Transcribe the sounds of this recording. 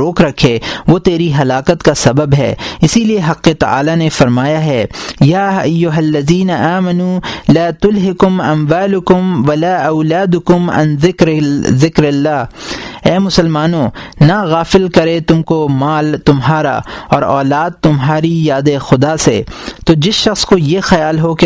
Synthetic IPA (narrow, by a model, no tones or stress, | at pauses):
ɾoːkɾɐkʰeʋot̪eːɾiɦɐlaːkət̪kasɐbəbɦɛ̰ːɪsilieɦɐqːet̪ɐ̰a̰ːlanefɐɾmaːjaɦɛːjaːɐjːʊɦɐlːɐziːnaʔaːmɐnuːlaːt̪ʊlɦɪkʊmɐ̰mwaːlʊkʊmʋɐlaːʔɐʊlaːd̪ʊkʊmɐ̰̃nɪkɾzɪkɾɐlːaːɛːmʊsəlmaːnonaɣaːfɪlkɐɾet̪ʊmkomaːlt̪ʊmɦaːɾa̰ɔ̰ːɾɔːlaːd̪̚t̪ʊmɦaːɾijaːd̪exʊd̪asḛt̪oːd͡ʒɪsʃɐxskojexɐjaːlɦoke